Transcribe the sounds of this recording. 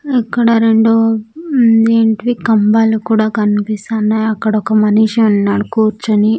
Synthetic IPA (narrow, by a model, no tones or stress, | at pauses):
ikːɐɽɐɾeɳɖu | eːɳʈiʋikɐmbaːlukuːɽaːkɐnipist̪aːnːɐjɐkːɐɽɐɔkɐmɐniːʃɐnnɐɾkuːɾt͡ʃːɐni